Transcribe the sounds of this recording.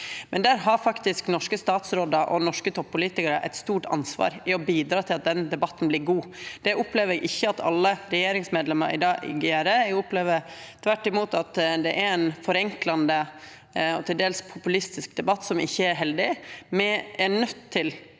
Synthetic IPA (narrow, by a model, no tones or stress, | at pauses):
mɛnd̪æːɾɦɑɾfɑkt̪ɪsknɔʂkəst̪ɑːt̪sɾoːd̪əɾʔɔ̰nɔʂkət̪ʰɔpːʊliːt̪ɪkəɾəʔæ̰ɪt̪st̪uːʈɑ̰nsʋɑ̰ːɾɪɔbiːd̪ɾɑːt̪ʰɪlɑt̪̚d̪ɛnd̪ɛbɑt̪ːn̩blɪːɾɡuːd̪̥ɛʔʊpleːʋəɾɛɡʔɪçːəɑt̪ʰɑ̰lːəɾɛjeːɾɪŋsmeːd̪lɛmɑɾʔɪ̰d̪ɑːɪ̰ɡeːɾəɛɡɔpleːʋəɾ | t̪ʰʋæʈːɪmuːt̪ɑt̪d̪ɛʔæɾɛnfɔɾɛŋklɑnd̪ə | ɔt̪ʰɪld̪eːlspʰʊpʉlɪst̪ɪsk̚d̪ɛbɑt̪ːsɔmɪ̰çːəæɾɦɛld̪ɪmɛæɳœt̪ʰːɪl